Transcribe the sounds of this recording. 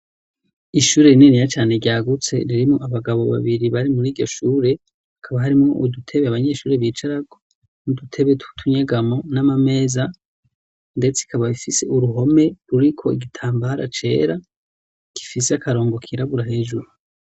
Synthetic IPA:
iʃuːɾe̞ininijat͡ʃaːne̞ɾɟaːɡut͡se̞̰ɾiɾimŋoʔaβaɡaβo̞βa̰βiɾiβaɾimuɾiːɟo̞ʃuːɾe̞ | akʰaβaɦaɾimŋo̞ʔudutʰe̞βeaβaɲe̞ʃuːɾeβiːt͡ʃaɾaɡo̞ | nudutʰe̞βetu̥tʰuɲeɡamonamame̞ːza | nde̞t͡se̥ikaβaifise̞̰ʔuɾuɦo̞me̞ɾuɾikʰo̞iɡitʰaːmbaɾa̰t͡ʃe̞̰ːɾa | ki̥fiseakaɾo̞ːŋɡo̞kʰiɾaβuɾahe̞ːʒuɾu

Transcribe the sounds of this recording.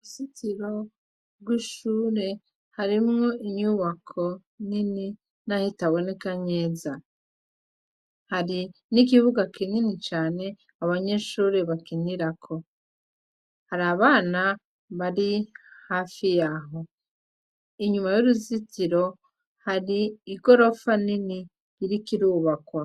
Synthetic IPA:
uuzitiɾo̞ | bɡwiʃuːɾe̞ | haɾimŋo̞ʔiɲuβakʰo̞ | nini | nahitaβwe̞nikaɲe̞ːza | haɾinik̬iβuɡakininit͡ʃaːne̞ | aβaɲe̞ːʃuːɾeβakiniɾakʰo̞ | haɾaːβaːna | βaɾihaːfijaːɦo̞ | iɲumajuɾuzitiɾo̞ | haɾiːɡo̞ɾo̞fanini | iɾikiɾuːβakwa

